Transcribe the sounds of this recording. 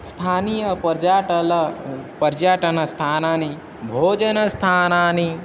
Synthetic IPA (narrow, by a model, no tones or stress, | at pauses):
st̪ʰaːnijɐpɐɾd͡ʒaːʈɐlɐpəɾd͡ʒaːʈɐnɐst̪ʰaːnaːni | bʱoːd͡ʒɐnɐst̪ʰaːnaːni